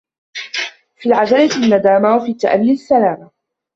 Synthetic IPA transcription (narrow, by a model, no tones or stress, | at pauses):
fiːlʕad͡ʒalanːad̪aːmawafiːt̪ːa̰ʔamːiasːalaːma